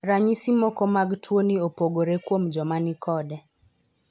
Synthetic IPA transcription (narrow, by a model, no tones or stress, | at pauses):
ɾaɲisimɔkɔmaɡtwoniopoɡoɾekwomd͡ʒɔmanikʰɔdɛ